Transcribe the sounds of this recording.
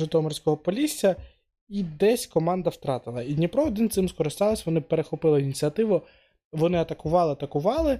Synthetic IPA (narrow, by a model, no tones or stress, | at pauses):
ɪt̪ɔɔmɔrsʲkɔɦɔpɔlʲisʲːɐ | id̪ɛsʲkɔmɑnd̪ɐwt̪ɾɑt̪ɪlˠɐid̪ʲnʲipɾɔɔd̪ɪnt̪sɪmskɔɾɪst̪ɑlˠɐsʲʋɔnɪpeɾexɔpɪlˠɪinʲit͡sʲiɐt̪ɪʋʊ | ʋɔnɪɐt̪ɐkʊʋɑlˠɪɐt̪ɐkʊʋɑlˠɪ